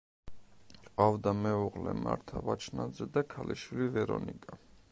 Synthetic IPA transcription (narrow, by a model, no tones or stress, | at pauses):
ɑvd̪amɛuʁlɛ̰maɾt̪ʰavat͡ʃʰnad͡zɛd̪ɑkʰaliʃvilivɛɾɔnikʼa